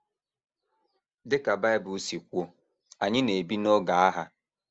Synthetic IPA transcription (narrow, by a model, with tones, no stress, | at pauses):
dɪ˦ka˨ba˦ɪ˦bʊ˨˦si˨kʷo˦ | a˨ɲɪ˦ne˨bi˦nɔ˦ɡa˨a˦ɦa˦